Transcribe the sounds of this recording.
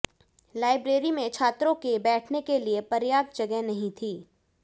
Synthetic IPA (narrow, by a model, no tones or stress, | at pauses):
laːɪbɾeːɾimẽt͡ʃʰaːt̪ɾõkebɛːʈʰnekeliepɐɾjaːd̪̚d͡ʒɐɡɛɦnɐɦĩt̪ʰiː